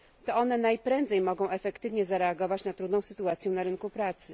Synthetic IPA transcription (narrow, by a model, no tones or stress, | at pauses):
t̪ɔɔnɛnajpɾɛnd̪zɛjmɔɡɔ̃w̃ʔɛfɛkt̪ɘvɲɛzaɾɛaɡɔvat͡ɕnat̪ɾud̪nɔ̃w̃sɘt̪uat̪sʲjɛ̃naɾɘŋkupɾat̪sɘ